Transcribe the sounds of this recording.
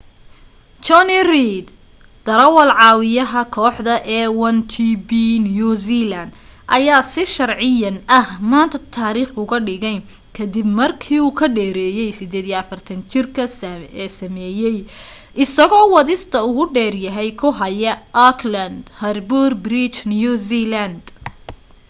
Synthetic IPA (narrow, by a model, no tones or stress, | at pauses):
t͡ʃɔnirid̪ | d̪̥ɐɾɐwɐlʕɑːwɪjɐɦɐkʰɔːħd̪ɐʔɛːwɐnt̪ʰibinjusilɐnd̪ʔɐjaːsɪʃɐrʕɪjɐnɐhmaːnt̪ʰɐt̪ʰaːɾiːχʊɣɐɖɪɣɛj | kʰɐd̪ɪbmɐrkʰiːuːkʰɐɖɛːɾɛːjɛjsɪd̪ɛːd̪ijɐfɐrt̪ʰɐnt͡ʃɪrkʰɐɛːsɐmɛːjɛj | ʔɪsɐɣɔːwɑðɪst̪ʰɐʊɣʊɖɛːrjɐɦɛjkʰʊɦɐjɐʔɔkʰlɐnd̪hɐrburbɾit͡ʃnjuzilɐnd̪